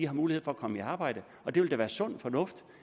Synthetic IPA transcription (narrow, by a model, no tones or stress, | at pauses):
ihɑ̈muːlihe̝ð̰ˠfɒ̽ækʰɒ̽məiɑ̈ːb̥ɑ̈ɪ̰d̥ə | ʔɒ̽d̥e̝ʋeld̥eʋæːɐsɔ̽n̰fɒ̽nɔ̽fd̥